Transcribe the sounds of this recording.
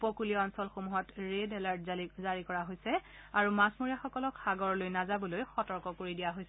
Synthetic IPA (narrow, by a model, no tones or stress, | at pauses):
pɔkulijɔɔnsɔlxomuɦɔtɹedɛlaɹtzaɹikɔɹaɦojsɛ | aɹumasmoɹijaxɔkɔlɔkxaɡɔɹlojnazabɔlojxɔtɔɹkɔkoɹidijaɦojsɛ